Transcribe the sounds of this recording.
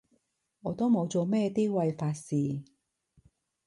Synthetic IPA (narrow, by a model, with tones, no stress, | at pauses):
ŋɔː˨˧t̪o˥wmo˨˧wt͡so˨˧mɛː˥˧t̪iː˥wa˧jfaː˧t̚siː˨˩